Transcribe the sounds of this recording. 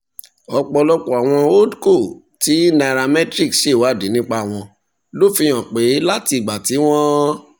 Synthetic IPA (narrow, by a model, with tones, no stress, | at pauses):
ɔ˧k͡pɔ˧lɔ˦k͡pɔ˨a˨w̃ɔ̃˧o˦dko˦˨ | ti˨˦na˧˨ɾa˧mɛ̃˦tɾi˦˨kʃe˦˨wa˨˦˨de˨˦nĩ˦k͡pa˧˦˨w̃ɔ̃˧ | lo˦˨fĩ˧j̃ɔ̃˨k͡pe˨˦la˦ti˧˨ɡ͡ba˨ti˨˦w̃ɔ̃˦